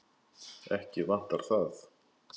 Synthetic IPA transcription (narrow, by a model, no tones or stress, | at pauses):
ɛhcɪvan̥t̪aɾ̥θaθ